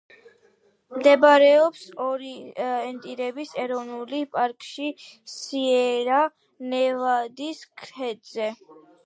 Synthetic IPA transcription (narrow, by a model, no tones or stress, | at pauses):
md̪ɛbaɾɛɔpsɔɾiɛnt̪ʼiɾɛbisɛɾɔvnulipʼaɾkʼʃisiɛɾa | nɛvad̪iskʰɾɛd̪zɛ